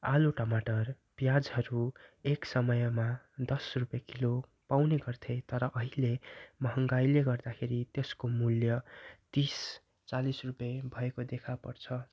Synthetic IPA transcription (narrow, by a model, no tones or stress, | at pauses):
aluʈʌmaʈʌr | pjad͡zɦʌɾueksʌmʌjma | d̪ʌsrupjʌkilo | pawneɡʌrt̪ʰʌjt̪ʌɾʌʔʌɦilemʌɦʌŋɡajleɡʌrd̪akʰeɾit̪eskomuljʌt̪is | t͡salisrupʌbʱʌekod̪ekʰapʌrt͡sʰʌ